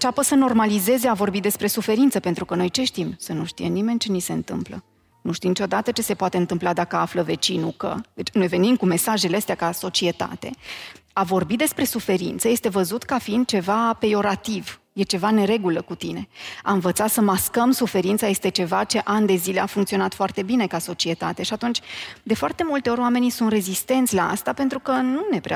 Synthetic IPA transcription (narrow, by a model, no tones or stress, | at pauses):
ɨɨnt͡ʃapəsəno̞rmalize̞zeavo̞rbid̪e̞spɾe̞sufe̞ɾint̪səpe̞nt̪ɾukəno̞jt͡ʃe̞ʃt̪imsənuʃt̪ḭjenime̞nʲt͡ʃe̞nise̞ɨnt̪ɨ̰mplə̰ | nuʃt̪imnit͡ʃo̞d̪at̪ət͡ʃe̞se̞poat̪eɨnt̪ɨmplad̪akəafləve̞t͡ʃinukə̰d̪e̞t͡ʃno̞jve̞nimkume̞saʒe̞leəst̪eakaso̞t͡ʃie̞t̪a̰t̪e̞̰avo̞rbit̪̚d̪e̞spɾe̞sufe̞ɾḭnt̪səje̞st̪e̞vəzut̪kafiind̪̚t͡ʃe̞vapejo̞ɾat̪iv | je̞t͡ʃe̞vaneɾe̞ɡuləkut̪ine̞a̰ɨɱvət̪sat̪səmaskəmsufe̞ɾint̪saje̞st̪e̞t͡ʃe̞vat͡ʃe̞ʔand̪e̞zile̞afuŋkt̪sio̞nat̪foart̪e̞bine̞kaso̞t͡ʃie̞t̪a̰t̪e̞ʃiat̪unt͡ʃʲd̪e̞foart̪e̞mult̪e̞o̞ɾʲoame̞nisunt̪re̞zist̪e̞nt̪sʲlaa̰st̪ape̞nt̪ɾukənune̞pɾa